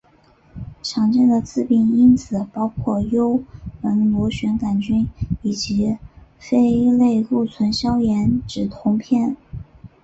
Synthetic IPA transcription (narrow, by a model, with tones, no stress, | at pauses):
ʈ͡ʂʰɑ˨˩ŋʈ͡ʂə˥˩nd̪ə˨t͡sɹ̩˥˩pi˥˩ni˥nt͡sʰɹ̩˨˩pɑ˥ʊkʰwɔ˥˩jo˥ʊpə˧˥nlwɔ˧˥ɕɥɛ˧˥nka˨˩nt͡ɕy˥ni˨˩t͡ɕi˧˥fe˥ɪle˥˧ɪku˥˩t͡sʰwə˧˥nɕjɑ˥ʊjɛ˧˥nʈ͡ʂɻ̩˨˩t̪ʰʊ˧˥ŋpʰjɛ˥˩n